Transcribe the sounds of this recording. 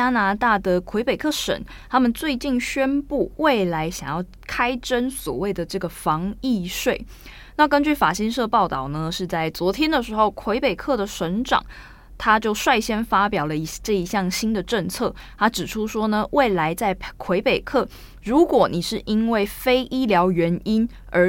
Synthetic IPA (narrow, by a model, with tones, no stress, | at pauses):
t͡ɕa˥na˧˥t̪a˥˩d̪ə˨kʰwe˧˥ɪpe˨ɪkʰɤ˥˩ʂə̰˨˩˦n | t̪ʰa˥mə˨nt͡swe˥˧ɪt͡ɕi˥˩nɕɥɛ˥npu˥˩we˥˩ɪla˧˥ɪɕjɑ̰˨˩ŋjɑ˥˩ʊ | kʰa˥ɪʈ͡ʂə˦nswɔ̰˨˩we˥˩ɪd̪ə˩ʈ͡ʂɤ˥˩ɡə˩fɑ˧˥ŋi˥˧ʂwe˥˩ɪ | na˥˨kə˦˥nt͡ɕy˥˩fa˨˩ɕi˥nʂɤ˥˧pɑ˥˧ʊt̪ɑ˥˩ʊnə˦ʂɻ̩˥˧t͡sa˥˩ɪt͡swɔ˧˥t̪ʰjɛ˥nd̪ə˨ʂɻ̩˧˥xo˥˩ʊkʰwe˧˥ɪpe˨˩ɪkʰɤ˥˩d̪ə˩ʂə˧˥nʈ͡ʂɑ̰˨˩˦ŋ | t̪ʰa˥t͡ɕjo˥˧ʊʂwa˥˩ɪɕjɛ˥nfa˥pjɑ˨˩ʊlə˦i˧˥ʈ͡ʂɤ˥˩i˧˥ɕjɑ˥˨ŋɕi˥nd̪ə˨ʈ͡ʂə˥˧ŋt͡sʰɤ˥˩ | t̪ʰa˥ʈ͡ʂɻ̩˨˩ʈ͡ʂʰu˥ʂwɔ˥nə˨wʔe˥˩ɪla˧˥ɪt͡sa˥˩ɪkʰwe˧˥ɪpe˨˩ɪkʰɤ˥˩ | ɻu˨˦˥kwɔ˨˩˦ni˨˩ʂɻ̩˥˩ʔi˥nwe˥˩ɪfe˥ɪʔi˥ljɑ˧˥ʊɥɛ˧˥ni˥n | ə˞˧˥